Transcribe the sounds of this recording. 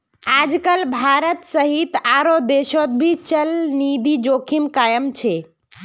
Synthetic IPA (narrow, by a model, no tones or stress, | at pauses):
ad͡ʒkəlbʱaɾət̪səɦit̪aɾod̪eʃot̪̚bʱit͡ʃəlnid̪id͡ʒokʰimkajəmt͡ʃʰe